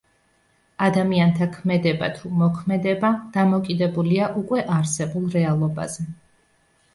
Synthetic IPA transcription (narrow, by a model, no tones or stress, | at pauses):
ad̪amiant̪ʰakʰmɛd̪ɛba̰t̪ʰumɔkʰmɛd̪ɛbad̪̥amɔkʼid̪ɛbuliaʔukʼwɛʔaɾsɛbulˠɾɛalˠɔba̰zɛ